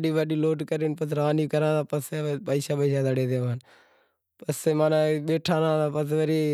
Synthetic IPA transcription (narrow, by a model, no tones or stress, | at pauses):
ɗiːʋəɗiːloːʈkəɾiːnpəsɾaːnikəɾãːt̪ãːpəsepəːsaːpəiʃaːd̪əɽeːd̪eːʋan | pəseːmaːnaɓeːʈʰaːɾãːt̪aːpəsʋəɾiː